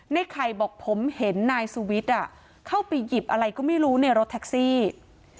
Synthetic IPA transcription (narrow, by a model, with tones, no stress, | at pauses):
na˥˩jkʰɾa˧jbɔː˨˩k̚pʰo˩˦mhe˩˦nːaː˧jsuː˧wi˦˥t̪̚ʔa˨˩ | kʰa˥˩wpa˧jːi˨˩p̚ʔa˧ɾa˧jkɔː˥˩ma˥˩jɾuː˦˥na˧˥˩jɾo˦˥t̪ʰːɛ˦˥k̚siː˥˩